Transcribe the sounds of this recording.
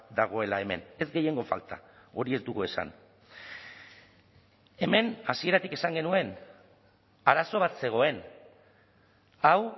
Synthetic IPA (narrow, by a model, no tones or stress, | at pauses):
d̪aɣ̞o̞e̞lae̞me̞̰ne̞zɡe̞je̞ŋɡo̞fa̰lt̪ao̞ɾie̞zd̪uɣue̞sa̰n | e̞me̞nasie̞ɾat̪ike̞saŋɡe̞nue̞n | aɾaso̞β̞at̪se̞ɣ̞o̞e̞n | aw